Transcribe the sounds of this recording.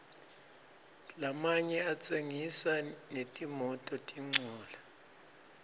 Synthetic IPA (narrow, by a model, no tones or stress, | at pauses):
lamaɲɛat͡sʼeŋisanetʼimɔtʼɔtʼiŋ͡ǀʱuːla